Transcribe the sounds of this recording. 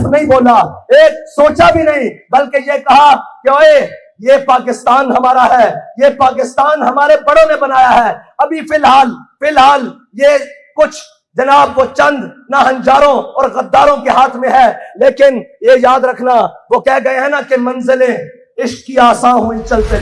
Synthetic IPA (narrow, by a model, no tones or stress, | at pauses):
nɐɦĩboːlaeːksoːt͡ʃabʱinɐɦĩbɐlkejekɐɦakeoːe | jepaːkɪst̪aːnɦɐmaːɾaɦɛːjepaːk̬ɪst̪aːnɦɐmaːɾebɐɽõnẽbɐnaːjaɦɛː | ɐbʱifɪlɦaːlfɪlɦaːl | je | kʊt͡ʃʰ | d͡ʒɐnaːbʋot͡ʃɐ̃nd̪naɦɐ̃nd͡ʒaːɾõɔːɾɣɐd̪ːaːɾõkeɦaːt̪ʰmẽɦɛleːkɪnjejaːd̪ɾɐkʰnaʋokɛɦɡɐeɦɛ̃nakemɐ̃nzɪlẽ | ɪʃiaːsãːɦoːĩt͡ʃɐlt̪e